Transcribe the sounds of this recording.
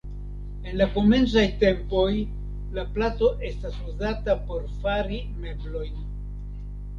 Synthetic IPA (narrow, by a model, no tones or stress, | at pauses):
e̞nlako̞me̞nt͡sajte̞mpo̞j | laplato̞ʔe̞stasuzatapo̞ɾfaɾi | me̞blo̞jn